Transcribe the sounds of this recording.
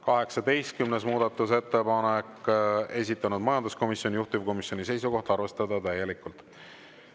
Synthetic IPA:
kɑɦe̞ksɑd̪e̞jst̪̚kymnesmuːd̪̥ɑt̪ːˑuse̞t̪ːe̞pɑnekːe̞s̬ʲit̪ˑːɑnud̪mɑjɑnd̪usko̞misjo̞nʲijuht̪uvko̞misjo̞nise̞jsuko̞ht̪ɑrve̞st̪ɑd̪̥ɑt̪æje̞likːˑult̪

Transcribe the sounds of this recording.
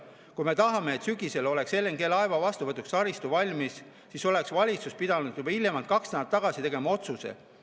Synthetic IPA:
kujme̞t̪ɑɦɑme̞ːt̪syɡise̞lo̞le̞kse̞lːeŋke̞lːɑevɑvɑst̪uvɤt̪ːˑuksɑɾist̪uvɑlʲmis | siso̞le̞ksvɑlʲit̪sus̚pid̪̥ɑnud̪̥jubɑilːemɑlt̪̚kɑksnænːɑt̪ːɑɡ̥ɑsit̪e̞ɡe̞mɑo̞t̪susḛ

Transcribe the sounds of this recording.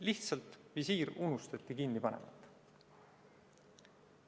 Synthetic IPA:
liht̪sɑlt̪visiːɾunust̪ɑt̪ʲˑːikinːipɑnḛmɑ̰t̪ːˑ

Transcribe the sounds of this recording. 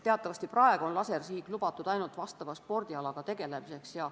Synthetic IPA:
t̪eɑt̪ːˑɑvɑst̪iprɑe̞ɡ̥uonlɑse̞rsiːɡ̥lubɑt̪ːˑud̪̥ɑjnult̪vɑst̪ɑvɑspo̞rd̪̥iɑlɑɡ̥ɑt̪e̞ɡ̥e̞le̞mise̞ksjɑ

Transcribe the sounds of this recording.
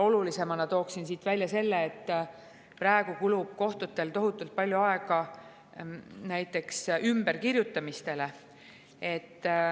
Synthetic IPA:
o̞lulise̞mɑnɑt̪o̞ːksinsiːt̪vælʲjɑse̞lːeːt̪ː | præeɡ̥ukulub̥̚ko̞ht̪ut̪ːˑe̞lt̪o̞ɦut̪ːˑult̪̚pɑlʲjuɑeɡ̥ɑ | næjt̪ːˑe̞ksymb̥e̞rkirjut̪ːˑɑmist̪e̞le̞ | e̞t̪ː

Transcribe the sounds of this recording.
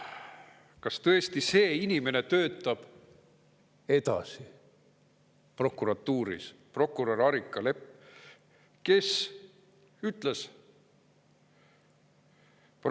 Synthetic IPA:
kɑst̪ɤest̪ise̞ːinime̞ne̞t̪ø̞ːt̪ːˑɑb̥ | e̞t̪ɑ̰si | pro̞kːˑuɾɑt̪ːuːɾḭspro̞kːˑuɾɑrɑɾikˑːɑle̞pː | ke̞s | yt̪ˑles | p

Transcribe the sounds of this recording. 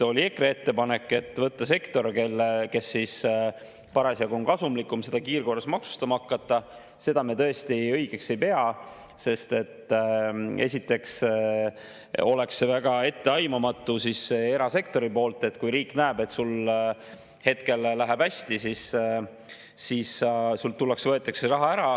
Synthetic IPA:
o̞lʲie̞kree̞t̪ːe̞pɑne̞kːˑe̞t̪ːˑvɤt̪ːɑse̞kt̪o̞rkelːke̞sːis | pɑɾɑsjɑɡoŋkɑsumlikːˑumse̞d̪ɑkiːrko̞rːesmɑksu̥st̪ɑmɑɑkːɑt̪ːˑɑ | se̞d̪ɑmet̪ɤ̞est̪iɤjɡ̥e̞kse̞jpe̞ɑ | se̞st̪e̞t̪ː | e̞sʲit̪ːˑe̞ks | o̞le̞ksevæɡ̥ɑe̞t̪ːe̞ɑjmɑmɑt̪ːˑusisːeeɾɑse̞kt̪o̞ɾipo̞ːlt̪ːˑe̞t̪ːkujɾiːkˑnæeb̥e̞t̪ːsul | he̞t̪ke̞lːæɦæb̥hæsʲt̪isis | issult̪ulːeksvɤe̞t̪ːˑekserɑɦɑæɾɑ

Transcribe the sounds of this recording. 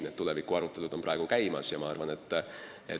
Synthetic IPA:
net̪ːule̞vikːˑuɑɾut̪ːˑe̞lud̪̥o̞mprɑeɡ̥ukæjmɑ̰sjɑmɑɑrvɑne̞t̪ːˑ | e

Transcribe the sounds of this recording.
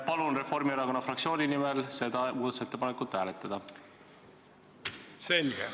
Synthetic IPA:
pɑlunre̞fo̞rmiɑɾɑko̞nːɑfrɑk̪̚sio̞ːnʲinimelse̞d̪̥ɑmuːd̪ɑt̪se̞t̪ːe̞pɑnekːˑult̪hæːle̞t̪ːˑɑd̪̥ɑ | selɡ̥e

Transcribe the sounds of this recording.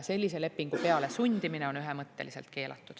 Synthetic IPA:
se̞lʲːise̞le̞pːiŋɡ̥upe̞ɑle̞sunʲd̪̥imineo̞nyɦemɤt̪ːe̞lise̞lt̪̚ke̞ːlʔɑ̰t̪ːˑud̪̥

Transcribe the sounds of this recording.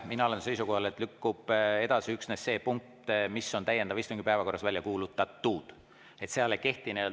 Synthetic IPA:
minɑo̞le̞nse̞jsuko̞hɑle̞t̪ːˑlykːub̥e̞d̪̥ɑsiyksnesːe̞ːpuŋk̚t̪misːo̞nt̪æjend̪̥ɑvist̪oŋɡipæevɑko̞rːɑsvælʲjɑkuːlut̪ːˑɑt̪ːˑuːd̪̥ | e̞t̪seɑleke̞ht̪ineel

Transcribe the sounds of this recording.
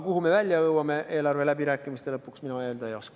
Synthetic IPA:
kuhume̞vælʲjɑɤwɑme̞ʔe̞ːlɑrve̞læbiɾæːkːˑimist̪e̞lɤpːˑuksminueːld̪̥ɑejo̞skɑ̥

